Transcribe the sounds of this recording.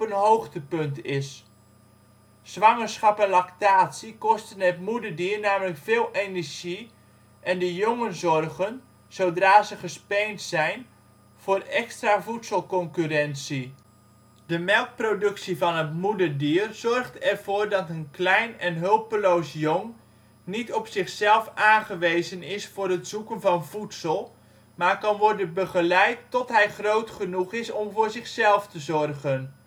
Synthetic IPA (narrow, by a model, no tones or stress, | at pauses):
pənɦowxtəpɵntɪs | z̥ʋɑŋəsχɑpɛnlaktaːtsikɔstənətmudəɹdiərnaːmələkfɪːlˠenəɹʒi | ʔɛndəjoŋənzɔrɣən | z̥owdraːzəχəspejntsɛjn | v̥ʊːrɛkstraːvutsəlˠkɔŋkyrɛnsi | d̥əmɛlˠk̚prodɵksivɑnɦətmudəɹdiːrz̥ɔrχtɛrv̥ʊːɹdɑtənklɛjnɛnɦɵlˠpəlowsjoŋ | nitɔpsɪχsɛlˠfaːnχəʋejzənɪsfʊːɾɦətsukənvɑnvutsəlˠ | maːɹkɑnʋɔɹdənbəχəlɛjtːɔtɦɛjχrowtχənuχɪsɔmvʊːɹzɪχsɛlˠftəzɔrχən